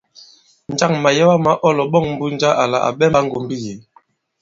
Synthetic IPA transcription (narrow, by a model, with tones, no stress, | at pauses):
n̩˨d͡ʒa˦˨ŋma˨jɛ˦wa˦ma˦ʔɔ˦˨lɔ˨ɓɔ˦ŋm̩˦bu˦n˦d͡ʒa˦ʔa˨la̰˨ʔa̰˨bɛ˦a˦ŋ̩˦ɡo˨mbi˦je˨˦